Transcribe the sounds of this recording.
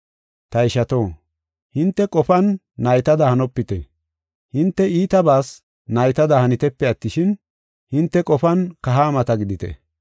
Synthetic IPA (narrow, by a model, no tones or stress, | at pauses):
t̪ɐɪʃɐt̪o̞ː | hɪnt̪ːɛkʼɔfɐnː | ɐjt̪ɐd̪ɐhɐnɔpːɪt̪ɛ̰ | hɪnt̪ːɛiːt̪ɐbaːs | nɐjt̪ɐd̪ɐhɐnɪt̪ɛpːɛɐt̪ːɪʃɪn | hɪnt̪ːɛkʼɔfɐnkɐɦaːmɐt̪ɐɡɪd̪ɪt̪ɛ̰